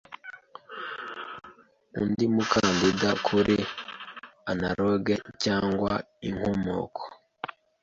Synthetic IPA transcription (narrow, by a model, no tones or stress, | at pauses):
ṵndimukʰandidakʰuɾʔi | anaɾoɡecaːŋɡwa̰ | iŋhomo̰ːkʰo̥